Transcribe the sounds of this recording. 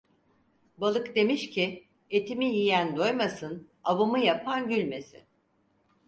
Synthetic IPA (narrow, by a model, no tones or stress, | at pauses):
balˠɯkd̪e̞miʃcʰi | e̞t̪ʰimijijænd̪o̞jmasɯn | aβumɯjapʰanɟylʲme̞sɪ̰